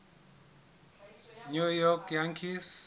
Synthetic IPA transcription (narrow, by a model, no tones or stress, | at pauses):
nujɔkjaŋkʰis